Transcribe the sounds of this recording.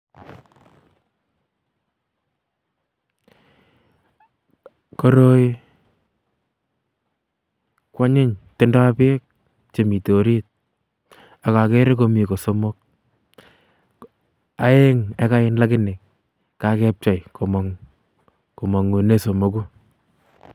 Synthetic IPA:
ko˦ɾo˦j | kwa˦ɲɪ˦ɲte˦nda˦a˦peː˦k̚ | t͡ʃe˨mi˨to˨ɾi˦t̚ | a˨ka˨ke˦ɾe˦k̬o˦mi˨ko˨so˦mo˦k̚ | a˦e˦ŋe˨˦ka˦ɪ˦nla˦kɪ˦nɪ˨k | ka˨kɛ˦p̚t͡ʃa˨jko˨mɔ˨ŋ | ko˨mɔ˨ŋu˨ne˦so˨mo˨˦ku˦

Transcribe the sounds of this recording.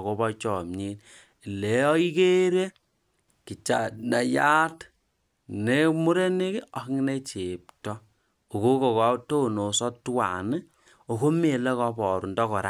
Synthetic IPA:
ko˨˦bɔ˦t͡ʃɔ˨mɲi˦n | i˨le˨˦ɔ˦i˦ke˦ɾe˦ | ki˨t͡ʃa˨na˨ja˦t | ne˦mu˦ɾe˦ne˦ki˦ɔ˨kŋ˦ne˦t͡ʃe˨p̚tɔ˦ | o˨ko˦ko˨ka˦to˦no˨sɔ˦twa̰˨nɨ˦ | o˨ko˦me˨le˦kɔ˦pɔ˨ɾu˨ndɔ˦kɔ˨ɾa̰˦

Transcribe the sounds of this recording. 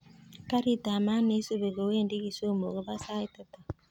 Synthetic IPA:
ka˦ɾi˦˨ta˨ma˦ne˦so˦βe˨ɣo˨we˦˨ndi˦ki˨so˦mo˨ɣo˨βa˦sa˦i˦ta˨ta˨

